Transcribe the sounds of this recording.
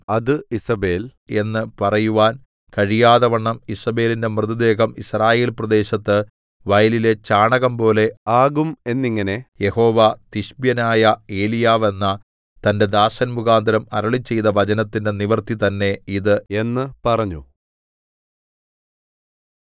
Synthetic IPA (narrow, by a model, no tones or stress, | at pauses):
ɐðɨisɐbe̞ːle̞nːɨpɐrɐjuʋaːn | kɐɻijaːðɐʋɐɳːɐmisɐbe̞ːlinde̞mrɨðud̪e̞ːɣɐmisraːje̞ːlprɐd̪e̞ːɕɐt̪ːɨ | ʋɐjɐlile̞t͡ɕaːɳɐɣɐmpo̞ːle̞aːɣume̞nːiŋːɐne̞je̞ho̞ːʋat̪iɕbjɐnaːjɐe̞ːlijaːʋe̞nːɐ | t̪ɐnde̞d̪aːsɐnmuɣaːnd̪ɐɾɐmɐ̰ɾɐɭit͡ɕːejtðɐʋɐd͡ʑɐnɐt̪ːinde̞niʋɐrt̪it̪ɐnːe̞iðɨe̞nːɨpɐrɐɲːṵ